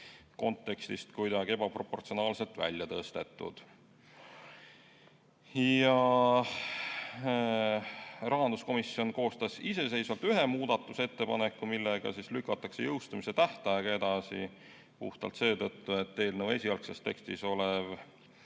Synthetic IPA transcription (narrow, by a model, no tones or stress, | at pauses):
ko̞nt̪ːe̞kst̪ist̪kujd̪ɑɡe̞bɑpro̞pːo̞rt̪sio̞nɑːlse̞lt̪ˑvæ̰lʲjɑt̪ɤst̪e̞t̪ːˑṵd̪̥ | jɑ | rɑɦɑnd̪̥usko̞misːio̞nko̞ːst̪ɑsise̞se̞jsvɑlt̪yɦe̞muːd̪̥ɑt̪ːˑuse̞t̪ːe̞pɑnekːˑumilːeɡ̥ɑ̰sislykːˑɑt̪ːˑɑkse̞jɤwst̪ɑmise̞t̪æht̪ɑjɑɡ̥ɑe̞d̪ɑsḭ | puht̪ɑ̰lt̪se̞ːt̪ɤt̪ːue̞t̪ːe̞ːlnəwe̞sʲiɑlksest̪ːe̞̰kst̪iso̞lev